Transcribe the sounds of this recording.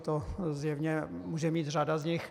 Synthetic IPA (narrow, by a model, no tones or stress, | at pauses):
t̪ozjɛvɲɛmuʒɛmiːt̪r̝adazɲɪx